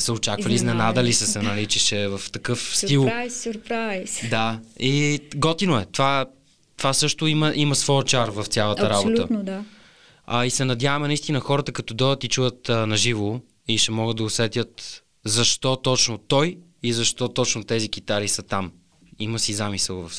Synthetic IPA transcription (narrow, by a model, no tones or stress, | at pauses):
səoʊt͡ʃakvɐliznɛnad̪əlisəsɛnɐlit͡ʃɛʃɛvɐft̪ɐkɤfsilˠjsɾpɾajsd̪aiɡɔt̪inoɛt̪ova | t̪ovasɤʃt̪ʊiməʔimɐsvɔjət͡ʃaɾvɐft̪sʲjalˠət̪əɾabolt̪əd̪ | isɛnɐd̪ʲjavɐmɛnɐist̪inəxɔɾət̪əkɐt̪ɔd̪ɔjət̪it͡ʃujət̪nɐʒivo | iʃɛmɔɡəd̪̚d̪ɐʊsɛt̪jət̪ | zɐʃt̪ɔt̪ɔt͡ʃnot̪ɔj | izɐʃt̪ɔt̪ɔt͡ʃnot̪ɛzikit̪aɾisət̪am | iməsizamisəlˠvɐf